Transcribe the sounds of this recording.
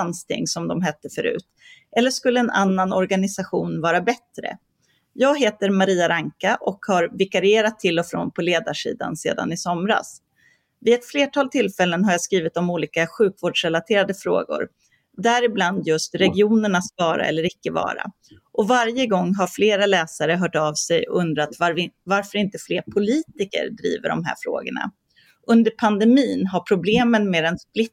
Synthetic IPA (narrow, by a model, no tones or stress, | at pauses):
anst̪ʰɪ̰ŋːsɔmd̪ɔmɦɛt̪ːəfœɾʉ̟̰ːt̪ʔɛlːəʂkɵlːəɛnʔa̰nːanɔɾɡanɪsaɧuːnvɑːɾabɛt̪ɾə̰ | jɑːɡɦeːt̪əɾmaɾiːaɾaŋkaʔɔkhaɾvɪkaɾɪeːɾat̪ʰːɪlːɔfɾo̰ːnpʰɔleːd̪a̰ʂḭːd̪a̰nsḛːd̪a̰nɪsɔmɾa̰s | vɪɛt̪fleːʈʰɑːlt̪ʰɪlfɛlːənɦaɾjaskɾiːvɪt̪ɔmuːliːkaɧʉ̟ːkvoːɖʂɾɛlat̪ʰeːɾad̪əfɾo̰ːɡʊ̰ɾ | d̪æɾɪbland̪jɵst̪ɾɛɡɪuːnəɳat̪svɑːɾa̰ʔɛ̰lːəɾɪkːəvɑ̰ːɾa̰ | ʔɔvaɾjəɡɔŋːɦaɾfleːɾalɛːsaɾəɦœːʈavsɛjɔɵnd̪ɾat̪vavaɾfœɾɪnt̪əfleːɾpʰʊliːt̪ɪkə̰ɾɖɾḭːvə̰ɖɔ̰mɦæ̰ːɾfɾo̰ːɡə̰ɳa̰ | ʔɵnd̪əɾpʰand̪ɛmiːnɦaɾpʰɾʊbleːmənmeːd̪ɛnsplɪt̪ː